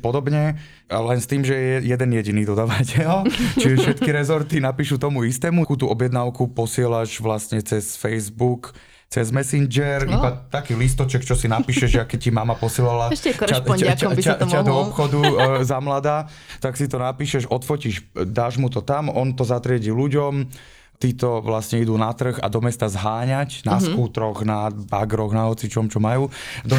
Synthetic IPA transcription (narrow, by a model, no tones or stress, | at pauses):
pɔd̪ɔbɲɛ | lɛnst̪iːmʒɛɛjɛd̪ɛnjɛɟiniːd̪ɔd̪aʋacɛlt͡ʃiʒɛʃʃɛt̪kiɾɛzɔɾt̪inapiːʃut̪ɔmuist̪ɛːmukut̪uɔbjɛd̪naːʊkupɔsɪɛlaʒʋlast̪ɲɛt͡sɛsfɛjzbuk | t͡sɛzmɛsind͡ʒɛɾibat̪akiːlis̬t̪ɔt͡ʃɛkt͡ʃɔsinapiːʃɛʒɛakːɛc̚cːimamapɔsiɛlalaacacaad̪ɔɔpxɔd̪uzamlad̪aː | t̪aksit̪ɔnapiːʃɛʒɔt̪fɔciʃd̪aːʒmut̪ɔt̪amɔnt̪ɔzat̪ɾɪɛɟiluɟɔm | t̪iːt̪ɔʋlasɲɛid̪uːnat̪r̩ɣa̰d̪ɔmɛst̪azɦaːɲacnaskuːt̪ɾɔɣnabaɡɾɔɣnaɦɔt͡sit͡ʃɔmt͡ʃɔmajuː | d̪ɔ